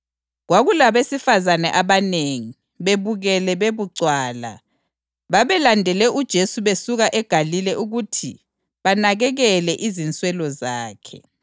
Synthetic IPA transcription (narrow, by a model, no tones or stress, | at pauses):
ɣwaɣulaβesifazanɛʔaβaneŋi | βeβuɣɛlɛβeβuǀwaːla̰ | βaβɛlandʱɛlɛʔud̥ʒ̥ʱesuβesuɣaʔɛɡ̥ʱalilɛʔuɣutʰḭ | βanaɣɛɣɛlɛʔizint͡sʼwɛlɔzaːkʰɛ̰